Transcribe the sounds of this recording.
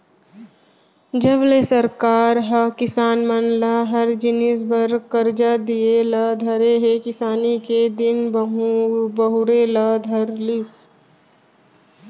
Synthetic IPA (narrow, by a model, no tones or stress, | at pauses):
d͡ʒəblesɐɾkaːɾɦɐkɪsaːnmənlaɦɐɾd͡ʒɪnɪsbɐɾkɐɾd͡ʒad̪ielad̪ʱɐɾeɦekɪsaːniked̪ɪnb | bəɦʊɾelad̪ʱɐɾlɪs